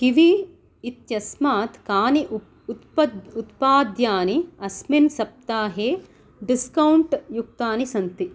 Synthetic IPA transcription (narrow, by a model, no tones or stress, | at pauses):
kiʋi | it̪jɐsmaːt̪kaːni | ut̪pɐd̪ut̪paːd̪jaːniɐsminsɐp̚t̪aːɦeː | ɖiskɐwɳʈjuk̚t̪aːnisɐnt̪i